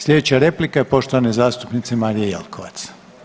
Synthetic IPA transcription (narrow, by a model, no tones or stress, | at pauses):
slʲe̞d̪et͡ɕaɾe̞plikaepo̞ʃt̪oʋanezaːst̪upnit̪semaːɾijejḛlkʰoʋa̰t̪s